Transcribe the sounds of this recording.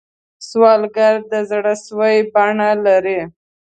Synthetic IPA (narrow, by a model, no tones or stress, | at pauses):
swɑlɡaɾd̪əzɽaswajbaɳalaɾi